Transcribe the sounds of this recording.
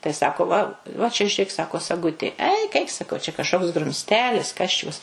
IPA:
tɐɪ ˈsɑːkoː ʋɐ ʋɐ t͡ʃʲɛ ʒʲʊˈrʲeːk ˈsɑːkoː sɐˈɡʊtʲeː ˈɛɪk ɛɪk sɐˈkɐʊ t͡ʃʲɛ kɐʃˈkoːks ɡrʊmʲsʲˈtʲæːlʲɪs ˈkɐs t͡ʃʲʊs

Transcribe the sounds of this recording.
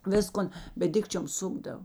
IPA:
ˈʋʲɪskoːn bʲɛt ˈdʲɪkt͡ʃʲoːm ˈsʊɡdɐw

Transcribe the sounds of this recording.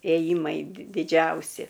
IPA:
eːˈjiːmɐɪ dʲɪ dʲɪˈd͡ʒʲɛʊsʲɪ

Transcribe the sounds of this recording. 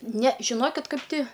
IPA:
nʲɛ ʒʲɪˈnoːkʲɪt ˈkɐɪp ˈtʲɪ

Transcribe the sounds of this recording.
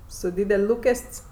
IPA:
sʊ ˈdʲiːdʲɛlʲ ˈlˠuːkʲɛsʲtʲsʲ

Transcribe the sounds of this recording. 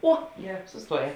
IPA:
ˈoː ˈɡʲæːˌrɑː sʊsˈtuɔˌjɛː

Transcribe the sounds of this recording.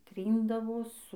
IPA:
ˈtʲrʲiːndɐʋoː ˈsʊ

